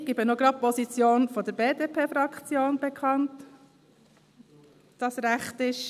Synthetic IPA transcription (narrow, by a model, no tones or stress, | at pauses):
ɡ̥ibənoɡɾɑpɔzit͡sjoːnfodəɾbeːdepʰeːfɾɑkʰt͡sjoːnbekʰɑnt | d̥ɑsɾæχtɪʃ